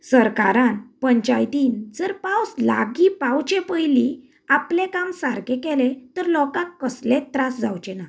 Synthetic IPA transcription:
səɾkaɾãnpəɲt͡ɕajt̪iːnd͡zəɾpawsla̰ɡipawt͡ɕɛ̃pəjlĩ | aplẽkãmsaɾkɛ̃kɛlẽt̪əɾlɔkãkːəslẽt̪ɾasd͡zawt͡ɕɛna

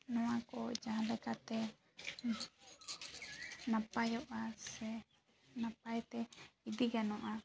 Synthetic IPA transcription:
nɔ̃wãkɔd͡ʒãɦãlɛkat̪ɛ | nãpajɔʔasɛ | napajt̪ɛid̪iɡanɔ̃ʔa

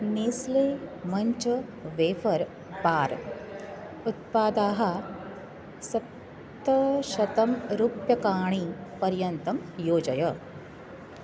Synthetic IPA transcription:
niːsleːmɐɲt͡ʃɐʋeːfɐɾ | baːɾ | ut̪̚paːd̪aːɦɐ | sɐt̪ː | ɐʃɐt̪ɐmɾuːpjɐkaːɳ̃ipɐɾjɐnt̪ɐmjoːd͡ʒɐjɐ

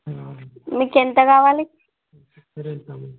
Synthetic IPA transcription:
mikent̪əɡaʋali

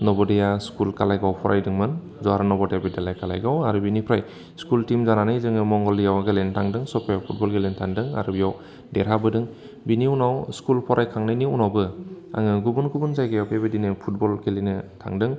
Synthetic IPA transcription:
nɔbɔdejaskulkalajɡawpʰɔɾʔajdɯŋmɯn | zɔaɾanɔbɔdejabidelajkala̰jɡawaɾɯbinipʰɾaj | skultimzananɯjzɯŋɯmɔŋɡɔlijawaɡelentʰaŋdɯŋsɔpʰajawpʰut̚bɔlɡelentʰaŋdɯŋa̰ɾubijaw | deɾabɯdɯŋ | biniunawskulpʰɔɾʔajkʰaŋnɯjniunawbɯ | a̰ŋɯɡubunɡubunzajɡɯjawpebɯdinɯpʰut̚bɔlɡelenɯtʰa̰ŋdɯŋ

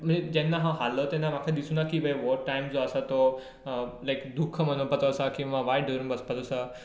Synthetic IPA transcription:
m̤əɳd͡zed͡ʑɛnːaɦãɦalət̪ɛ̃nːãmakʰad̪isuːnakibʱəjʋɔɾʈajmd͡zoəsat̪o | lajkd̪ukʰəmənopət͡səːsakĩw̃ʋãʋajɖəɾũnbəspət͡səsa

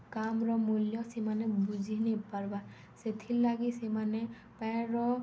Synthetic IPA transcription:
kamɹɔmuljɔsimanɛbuzʱinepaɹba | set̪ʰilːaɡisemanɛ | pãɹɔ

